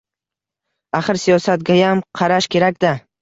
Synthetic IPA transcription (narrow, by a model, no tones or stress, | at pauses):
aχɨɾsijɒsat̪̚ɡʲajamqʰɑɾaʃkʲʰe̞ɾakʲd̪a